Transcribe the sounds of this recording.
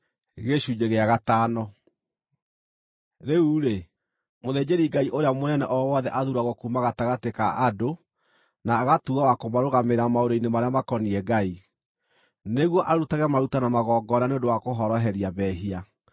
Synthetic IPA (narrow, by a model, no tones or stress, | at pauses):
ɣeɕud͡ʑeɣeaɣataːnɔ | ɾeuːɾe | moðed͡ʑeɾiɡaiʔoɾeamonɛnɛʔɔwɔːðɛʔaðuɾaɣɔkumaɣataɣatekaʔado | naːɣatuɣawakomaɾoɣameɾamaoɾoinemaɾeamakɔniɛɡai | neɣwɔʔaɾutaɣɛmaɾutanamaɣɔːɡɔnaneõndowakoɦɔɾɔɦɛɾiaβɛɦia